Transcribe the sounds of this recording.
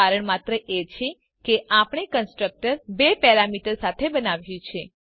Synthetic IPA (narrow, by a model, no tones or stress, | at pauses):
aɾəɳmat̪ɾəʔet͡ʃʰe | keʔapɽ̃ekənsʈɾək̚ʈəɾbepɛɾamiʈəɾsat̪ʰebənaʋjũt͡ʃʰe